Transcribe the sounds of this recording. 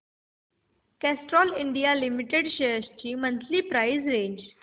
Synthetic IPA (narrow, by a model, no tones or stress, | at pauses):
kæsʈɾɔːliɳɖijalimiʈeɖɕest͡ɕiːmə̃nt̪ʰlipɾaizɾẽːɲd͡ʑ